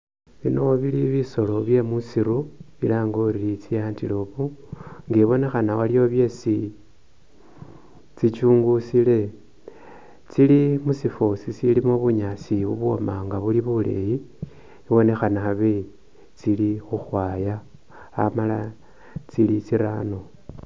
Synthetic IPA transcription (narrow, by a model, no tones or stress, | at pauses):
βinoβiliβiso̞lo̞βje̞musiɾuβilaːŋɡoɾilit͡sijaːntiloβuŋɡeβo̞ne̞xanawalio̞βje̞si | t͡sit͡ʃuːŋɡusile̞ | t͡silimusifosit͡silimoβuɲasiβuβuo̰maŋɡaβuliβulḛji | iwo̞ne̞xanaaβe | t͡silixuxwaːjaː | mala | t͡silit͡siɾano̞